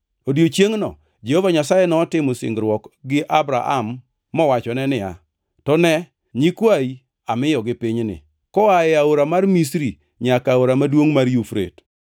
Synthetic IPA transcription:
odjot͡ʃjeŋnɔ̰ | d͡ʒehovaɲasajɛnɔːtɪmʊsɪ̰ŋɡɾwɔkɡɪʔabɾa̰ʔa̰mː | ɔwat͡ʃɔnɛnɪa̰ | tɔnɛ | ɲikwai | amɪjɔɡɪpɪɲnɪ̰ | kɔaɛaoɾamarmisɾi | ɲakaoɾamadwoŋmaɾjufɾḛt

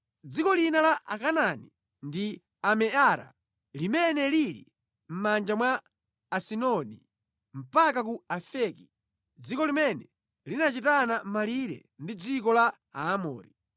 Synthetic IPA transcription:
d͡zikɔlinalaʔakanani | ndi | amɛaɾa̰ | limɛnɛliɾḭ | m̩mand͡ʒamwaː | sinɔnḭ | m̩pakak̬uafɛki̥ | d͡zikɔlimɛnɛ | linat͡ʃitanam̩maliɾɛ̰ndid͡zikɔla | aːmɔːɾi

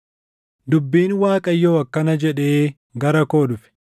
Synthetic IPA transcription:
d̪ʊbːiːnwaːkʼɐjːoːɐkːɐnɐd͡ʒɛᶑe̞ː | ɡɐɾɐko̞ːdʊfɪ̥

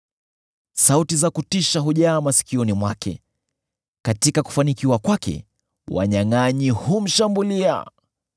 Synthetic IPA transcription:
sautizakutiʃaɦuʄaːmasi̥kiɔnimwakɛ̰ | katikaku̥fanikiwakwakɛ̰ | wa̰ɲaŋaɲihum̩ʃambulia̰

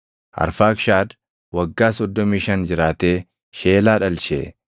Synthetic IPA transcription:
ʔɐ̰ɾfaːkʃaːd̪ | wɐɡːaːsɔd̪ːɔmiːʃɐnd͡ʒɪɾaːt̪eː | ʃe̞ːlaːᶑɐlʃḛː

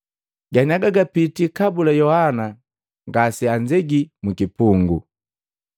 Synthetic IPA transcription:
ɡaniaɡaɡapitikabulajɔhana | ŋɡasiaɲd͡ʒɛɡimukipuŋɡṵ

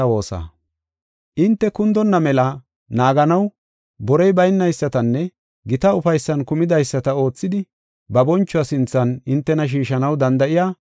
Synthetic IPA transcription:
ɐwo̞ːsa̰ | ʔɪnt̪ːɛkʊnd̪ɔnːɐmɛlɐ | naːɡɐnɐw | bɔɾɛjbɐjnːɐjsːɐt̪ɐnːɛ | ɡɪt̪ɐʊfɐjsːɐnkʊmɪd̪ɐjsːɐt̪ɐo̞ːt͡sːɪd̪ɪ | bɐbɔnt͡ʃːɔasɪnt͡sːɐnɪnt̪ːɛnɐʃ̬iːʃɐnɐwd̪ɐnd̪ɐʔɪjaː

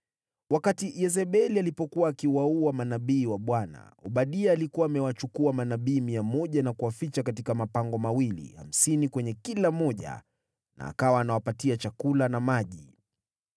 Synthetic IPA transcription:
wakatijɛzɛɓɛlialipɔkuwaːkiwauamanaɓiːwaɓwana̰ɔɓaɗiaːlikuwaːmɛwat͡ʃukuamanaɓiːmiamɔʄanakuwafit͡ʃakatikamapaŋɡɔmawilḭha̰m̩sinikwɛɲɛkilamɔʄa̰ | na̰ːkawaːnawapatiat͡ʃakulanamaʄi

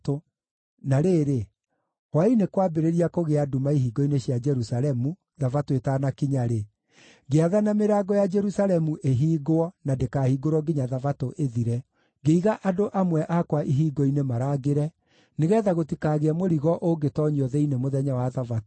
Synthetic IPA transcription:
to | naɾeːɾe | wainekwabeɾeɾiakoɣeadumaiɦiːɡɔineɕjad͡ʒɛɾusaɾɛmu | ðavatoetanakiɲaɾe | ɡeaðanameɾaɡɔjad͡ʒɛɾusalɛmuʔeɦiːɡoɔnadekahiɡoɾwɔɡeɲaðavatoʔeðiɾɛ | ɡeiɣaʔadoʔamwɛʔakwaʔiɦiːɡɔinemaɾaɡeɾɛ | neɣɛːðaɣotikaɣeɛmoɾiɣɔʔoɡetɔɲiɔðɛinemoðɛɲawaðavato

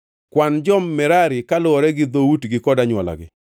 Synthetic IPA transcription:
kwand͡ʒɔmːɛɾaɾɪkalʊɔɾɛɡɪd̪outɡɪkɔdaɲwala̰ɡɪ̰

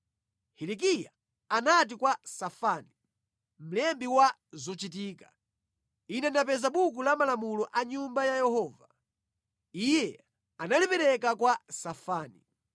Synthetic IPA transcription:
hilik̬ija | anat̬ikwasafaːni | m̩lɛmbiwa | zɔt͡ʃit̬iːka | inɛndap̬ɛzaɓuk̬ulamalamulɔʔaɲumbajajɛhɔːva | ijɛ | analipɛɾɛkakwasafaːnḭ

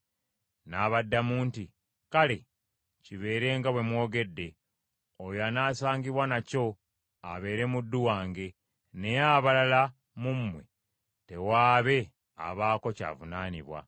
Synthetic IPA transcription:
naβadːamuːnti | kale̞ | ciβe̞ːɾe̞ːŋɡaβwe̞mwo̞ːɡe̞dːe̞ | ojoanaːsaːŋɡiβwanaco̞ | aβe̞ːɾe̞mudːuwaːŋɡe̞ | ne̞jaβalala | mumːwe̞ | te̞waːβe̞ | a̰βaːko̞ca̰ːvunaːniβwa̰

